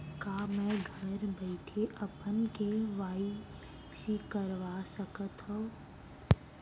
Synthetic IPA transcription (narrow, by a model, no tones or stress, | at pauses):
kaːmɛ̃ːɡʱəɾbəɪkʰeʔɐpənkeʋaːi | sikəɾʋaːsəkət̪ɦõ